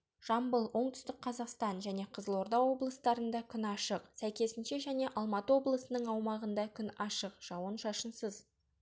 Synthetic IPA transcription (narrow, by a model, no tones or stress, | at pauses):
ʒ̥ɑmbəlˠwo̞ɴt̪ʏ̥st̪ɪk̚qʰɑzɑqst̪ɑnʒæne̞qʰəzəlˠo̞ɾd̪ɑwo̞blˠəst̪ɑɾənd̪ɑkʲʰʏnɑʃəqsæjkʲe̞sɪnʃe̞ʒæne̞ʔɑlˠmɑt̪əwo̞blˠəsənəɴɑwmɑʁənd̪ɑkʲʰʏnɑʃəqʒ̥ɑwənʃɑʃənsəz